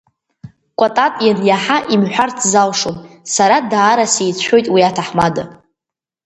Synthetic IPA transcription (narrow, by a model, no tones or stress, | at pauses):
kʷʼatʼatʼjanjaħaʔimħʷᶣartʰzalʂomsaɾadaːɾasejt͡ɕʷʰo̞jtʼwiatʰaħmada